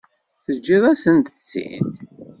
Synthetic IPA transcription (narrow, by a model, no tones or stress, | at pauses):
θəd͡ʒːiðˤæsənt̪ət͡sːḭnt̪